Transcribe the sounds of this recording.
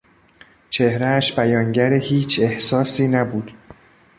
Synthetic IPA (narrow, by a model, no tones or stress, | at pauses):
t͡ʃʰe̞hɾææʃbæjɒːŋɟæɾehiːt͡ʃʰe̞hsɒːsiːnæbuːd̪̥